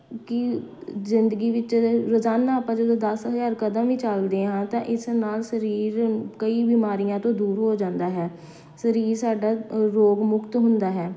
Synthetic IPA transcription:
kɪzɪnd̪əɡiːʋɪt͡ʃɾəzaːnãːpãːd͡ʒəd̪õːd̪əsɦəzaːɾkəd̪ə̃mʋiːt͡ʃəld̪eːɦãːt̪ãːʔɪsnaːlsəɾiːɾkəiːbiːmaːɾijãːt̪õːd̪uːɾɦoːd͡ʒãːnd̪aːɦɛː | səɾiːɾsaːɖaːɾoːɡmʊkt̪ɦʊnd̪aːɦɛː

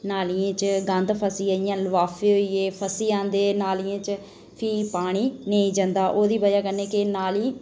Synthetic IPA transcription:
naːlijẽːt͡ʃɡə̃nd̪pʰəsiːaːijãːlʋaːfʰeːɦoiːeːpʰəsiːãːnd̪eːnaːlijãːt͡ʃ | pʰiːpaːɽ̃iːneĩːd͡ʒə̃nd̪aːʔoːd̪iːbəd͡ʒaːkəneːkɪnaːliː

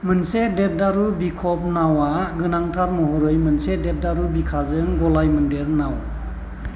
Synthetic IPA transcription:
mɯnsedep̚daɾubikʰɔp̚nawaɡɯnaŋtʰaɾmɔɦɔɾɯjmɯnsedep̚daɾubikʰazɯŋɡɔlajmɯndeɾnaw

